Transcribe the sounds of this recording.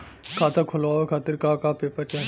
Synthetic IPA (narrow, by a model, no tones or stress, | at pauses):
kʰaːt̪akʰʊlaekʰaːt̪ɪɾkaːkapeːpəɾt͡ʃɐ